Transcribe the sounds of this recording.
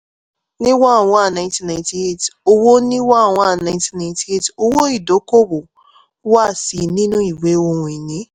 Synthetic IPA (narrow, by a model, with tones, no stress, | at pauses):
nĩ˦wa˦˨w̃ɔ̃˨˦a˦˨nã˨j̃tĩ˦nã˨nti˨e˦˨to˧wo˦nĩ˦wa˦˨w̃ɔ̃˨˦a˦˨nã˨ɪ̃˦ntĩ˦nã˨j̃ti˨˦e˦˨to˧wo˦i˦˨do˨˦ko˦bo˨˦ | wa˦˨si˨nĩ˦nũ˦i˦˨we˨˦o˦ɾũ˨i˨nĩ˨˦